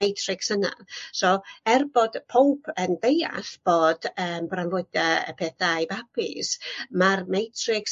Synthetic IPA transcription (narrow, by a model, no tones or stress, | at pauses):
ejtʰrɪksəna̰soːɛrbɔd̥pʰowpʰəndeja̰ɬb̥oːd̥əːmbranlˠʊɨd̥aə̰pʰɛːθajbapʰɪ̰smarmejtʰrɪks